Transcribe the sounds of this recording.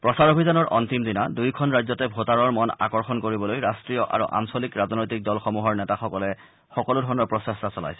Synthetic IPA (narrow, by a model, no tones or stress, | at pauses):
pɹɔsaɹobʱizanɔɹʔɔ̰ntimdina̰dujkʰɔnɹajzɔtɛbʱotaɹɔɹmɔna̰kɔɹxɔnkoɹibɔlojɹastɹijɔʔa̰ɹṵʔa̰msolikɹaznojtik̚dɔlxɔmuɦɔɹnɛtaxɔkɔlɛ | xɔkɔlʊdʱɔɹɔnɔɹpɹɔsestasɔla̰jsɛ̥